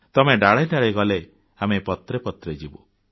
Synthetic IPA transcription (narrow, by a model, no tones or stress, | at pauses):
t̪ɔmeɖaɭɔjɖaɭejɡɔle | amepɔt̪ɾepɔt̪ɾed͡ʒibo